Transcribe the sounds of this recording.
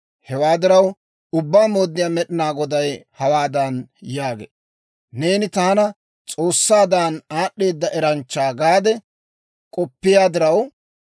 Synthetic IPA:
hɛwaːd̪ɪɾɐw | ʊbːaːmo̞ːd̪ːɪjaːmɛɗɪnaːɡɔd̪ɐjhɐwaːd̪ɐnjaːɡḛː | ne̞ːnɪt̪aːnɐ | t͡sʼo̞ːsːaːd̪aːnaːɗːe̞ːd̪ːɐʔɛɾɐnt͡ʃːaːɡaːd̪ɛ | kʼɔpːɪjaːd̪ɪɾɐw

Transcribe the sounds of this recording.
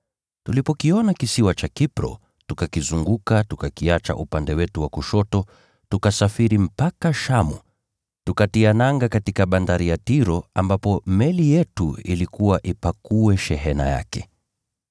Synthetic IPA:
tulipɔkiɔnakisiwat͡ʃakipɾɔ̰ | tukakizuŋɡukatukakiat͡ʃa̰ʔupandɛwɛtuwakuʃɔtɔ | tukasafiɾim̩pakaʃamṵ | tukatianaŋɡakatikaɓandaɾijatiɾɔambapɔmɛlijɛtuḭlikuwaʔipakuwɛʃɛɦɛna̰ja̰kɛ

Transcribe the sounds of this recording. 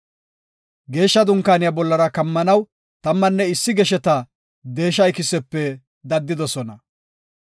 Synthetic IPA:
ɡe̞ːʃːɐd̪ʊŋkːaːnɪjabɔlːɐɾɐkɐmːɐnɐw | t̪ɐmːɐnːɛɪsːɪɡɛʃɛt̪ɐ | d̪e̞ːʃːɐjkɪsɛpːɛ | d̪ɐd̪ːɪd̪ɔsɔnɐ

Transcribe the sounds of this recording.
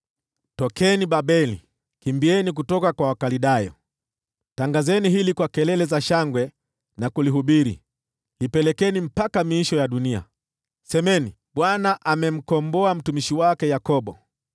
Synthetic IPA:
tɔkɛniɓaɓɛlḭ | kimbiɛnik̬utɔkakwawakaliɗajɔ̰ | taŋɡazɛniɦilikwakɛlɛlɛzaʃaŋɡwɛ | nakuliɦuɓiɾḭ | hipɛlɛkɛnim̩pakamiiʃɔjaɗunia̰ | sɛmɛni | ɓwanaʔamɛm̩kɔmbɔam̩tumiʃiwakɛjakɔɓɔ

